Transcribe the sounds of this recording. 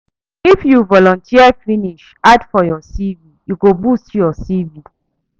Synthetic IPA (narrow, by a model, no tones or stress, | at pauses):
ifjuvɔlɔ̃ntʰiəfiniʃ | adfɔjɔsivijuɡobustjɔsivi